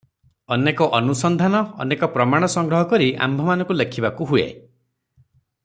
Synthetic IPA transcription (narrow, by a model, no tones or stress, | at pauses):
ɔnekɔʔɔnusɔnd̪ʱanɔ̰ːnekɔpɾɔmaɽ̃ɔsɔŋɡɾɔɦɔkɔɾia̰mbʱɔmanɔ̃ŋkulekʰibakuɦuḛ